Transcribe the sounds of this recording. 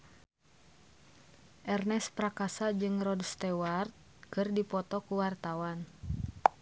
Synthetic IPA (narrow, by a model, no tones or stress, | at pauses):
ʔɛrnɛspɾakasad͡ʒɨŋrɔdst̪ɛwart̪̚ | kɨrdipɔt̪ɔkuwart̪awan